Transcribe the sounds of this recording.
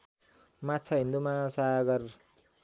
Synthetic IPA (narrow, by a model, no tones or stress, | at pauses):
matt͡sʰaɦind̪umasaɡʌr